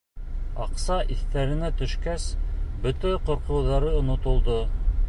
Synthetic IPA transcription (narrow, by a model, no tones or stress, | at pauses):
ɑqsɑʔiθt̪æɾɘ̆næt̪ɵ̆ʃkæsbɵt̪æqŏɾqɤ̆wðɑɾɤŏnŏt̪ŏlˠd̪o